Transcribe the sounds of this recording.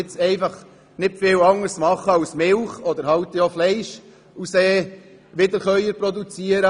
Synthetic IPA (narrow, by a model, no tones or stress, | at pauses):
ɪt͡sɛɪfɑχ | nɪtfɪlɑŋəɾsmɑχəɑwsmɪlχɔd̪əɾhɑwt̪əjoflɛɪʃ | useː | ʋɪd̪əɾχœʏəɾpɾɔd̪ut͡siəɾə